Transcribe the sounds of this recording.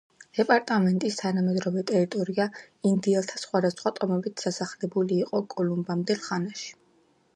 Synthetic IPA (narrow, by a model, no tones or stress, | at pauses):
d̥̪ɛpʼaɾt̪ʼamɛnt̪ʼist̪ʰanamɛd̪ɾɔvɛt̪ʼɛɾit̪ʼɔɾia | ind̪iɛlˠt̪ʰasχwad̪asχwat̪ʼɔmɛbit̪ʰd̪̥asaχlɛbuliːqʼɔkʼɔlumbamd̪ɛlˠχanaʃi̥